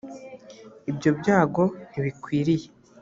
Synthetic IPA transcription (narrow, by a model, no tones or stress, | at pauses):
ibɟo̞bɟaːɡo̞niβikwiːɾije